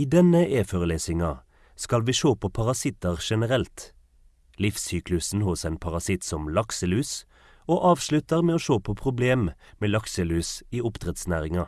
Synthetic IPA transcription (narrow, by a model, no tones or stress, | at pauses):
iːd̪ɛnəʔeːføːʁəleːsɪŋɑ | skɑlʋiːʃoːpʰoːpʰɑʁɑsɪt̪əʁʃɛnəʁɛlt̪ | lɪfsyːklʉsn̩hʊsɛɪnpʰɑʁɑsɪt̪sɔmlɑksəlʉːs | oːʔɑːʋʃlʉt̪əʁmeːoːʃoːpʰoːpʰʁʊbleːmmeːlɑksəlʉːsiːʊpt̪ʰʁɛt̪snæːʁɪŋɑ